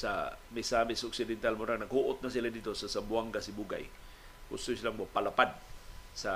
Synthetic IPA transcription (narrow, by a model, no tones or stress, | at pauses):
sa̰misamisoksidɛnt̪almoɾaŋnakuʔʊt̪̚nas̬iladit̪osasambuaŋkasibuɡa̰j | ɡṵst̪ʊsilaŋbopalapad̪̚sa